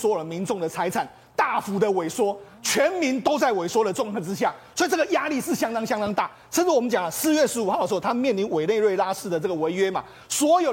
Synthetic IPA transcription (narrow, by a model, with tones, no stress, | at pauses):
swɔ˧˥jd̪ə˧mi˧˥nʈ͡ʂʊ˥˩ŋd̪ə˩t͡sʰa˧˥ɪt͡sʰa˨˩˦n | t̪a˥˩fu˧˥d̪ə˧we˨˩ɪswɔ˥ | t͡ɕʰɥɛ˧˦nmi˧˦nt̪o˥ʊt͡sa˥˩ɪwe˨˩ɪswɔ˥ɾə˨ʈ͡ʂʊ˥˧ŋkʰɤ˥˧˩ʈ͡ʂ̩˦ɕ̬ja˥˩sɔ˧˥i˨˩t͡sə˥˩ɡə˩ja˦˥li˥˧ʂɻ̩˥˩ɕjɑ˥ŋt̪ɑ˥ŋɕjɑ˥ŋt̪ɑ˥ŋt̪a̰˥˩ | t͡s̩ʰ˥ɻ̩˥˩wɔ˨˩mə˦nt͡ɕjɑ˨˩ŋlə˦sɹ̩˥˧ɥɛ˥˩ʂɻ̩˧˥u˨˩xd̪ə˩˧˥t̪ʰa˥m˨mjnli˧˦nwe˨˩ɪne˥˧ɪɻwe˥˧ɪla˥ʂɻ̩˥˩d̪ə˩t͡sɤ˥˩ɡə˩we˧˥ɪɥɛ˥ma̰˨ | swɔ˧˥jo˨˩ʊ